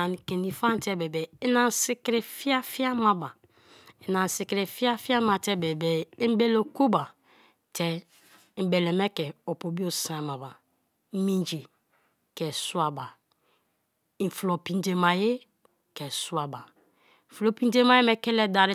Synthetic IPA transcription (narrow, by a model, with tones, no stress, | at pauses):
a˨n˨ke˨ni˨fa˦n˦te˦be˨bɛ˨i˦na˨n˨si˦kɾe˨fi˦a˦fi˦a˦ma˨ba˨ | i˨na˨n˨si˨kɾe˨fi˦a˦fi˦a˦ma˨tɛ˦be˨bɛ˨i˦m˦be˦lo˨ko˦ba˨ | tɛ˦ | m̩˦be˨le˨mɛ˦kɛ˨o˨po˨bi˦o˨sa˦˨ma˨ba˨˦ | mi˦nd͡ʒi˨ | kɛ˨su˦a˨ba˨ | i˨flo˨pi˨nde˨ma˨je˦ | kɛ˨su˦a˨ba˨ | flo˨pi˦n˦de˦ma˨˦je˦me˦ke˦le˦da˨ɾi˦